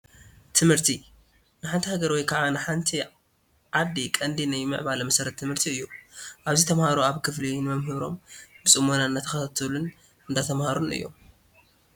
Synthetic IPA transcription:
t̪ʰɨmhɨɾt̪ʰi | nɨħant̪ʰihaɡɐɾwɔjkʰaʕanɨħant̪ʰi | ʕad̪ːikʼɐnd̪inajmɨ̰ʕβalɐmɐsɐɾɐt̪ʰːɨmɨɾt̪ʰiɨjːuʔaβzit̪ʰɐmhaɾuaβkʰɨflinɨmɐmɦɨβɾo̞̰mbɨsʼɨmːonanːat̪ʰɐ̥xɐt̪ʰat̪ʰolun | ɨnd̪at̪ʰɐmhaɾun̰ʔɨ̰jːo̞̰m

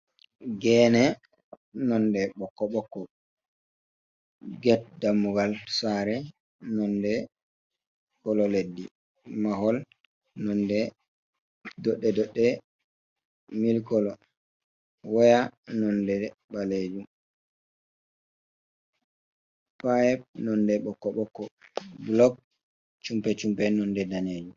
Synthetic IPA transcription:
ɡɛːnɛ | nɔndɛɓɔkːɔɓɔkːɔ | ɡɛt̚damːuɡalsaɾɛ | nɔndɛ | kɔlɔledːi | mahɔl | nɔndɛ | dɔɗːɛdɔɗːɛ | milkɔlɔ | wɔjanɔndɛɓaled͡ʒum | pajɛp̚nɔndɛɓɔkːɔɓɔkːɔblɔk̚ | t͡ʃumpɛt͡ʃumpɛnɔndɛdaneːd͡ʒum

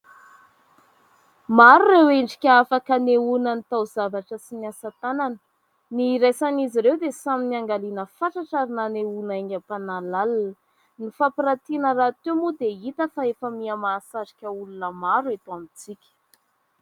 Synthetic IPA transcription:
maɾureweɳɖ͡ʐi̥kʲəafakaneunənit̪awzavaʈ͡ʂəsiniasat̪ananə̥ | niɾejsaniziɾewd̪esaminiaŋɡalinəfaʈ͡ʂaʈ͡ʂaɾinaneunaeŋapanalalanə | nifapiɾat̪inəɾat̪emud̪eit̪əfaefəmiamasazi̥kʲəulunəmaɾuet̪uamit͡sikʲə̥

